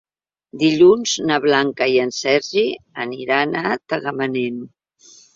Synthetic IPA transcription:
d̪iʎunznəβlaŋkaiənsɛziəniɾanat̪əɣəmənenu

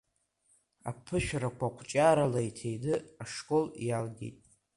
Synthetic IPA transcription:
a̰pʰɨʃᶣɾakʷʰakʷʰt͡ʃʼaɾalajtʰejdɨaʂkʼo̞ljalɡʲḛjtʼ

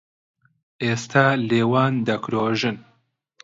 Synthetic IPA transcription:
ʔeːst̪ʰaːleːwaːnd̪ɐkɾoːʒɨn

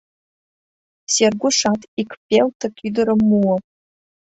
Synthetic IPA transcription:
serɡʷʊʂatʰʼikʷʰpʲʼeltʰɐkʲʰʼidɨɾəmːuwɔ

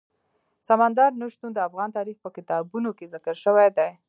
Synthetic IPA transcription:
samand̪ɑɾnʊʃt̪und̪əafɣɑnt̪ɑɾixpəkɪt̪ɑbunokezɪkəɾʃəwajd̪aj

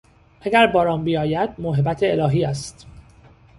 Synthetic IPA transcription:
ʔæɡæɾbɒːɾɒːmbijɒːjæd̪̚moɦebæt̪ʰeelɒːɦiːæst̪

